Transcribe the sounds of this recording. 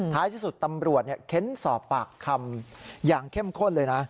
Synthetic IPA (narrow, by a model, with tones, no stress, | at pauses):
t̪ʰa˦˥jt̪ʰiː˥˩su˨˩t̪ːa˧mɾu˨˩ət̪̚ni˥˩əkʰe˦˥nsɔː˨˩pːaː˨˩kʰːa˧mjaː˨˩ŋkʰe˥˩mkʰo˥˩nlɤː˧jna˦˥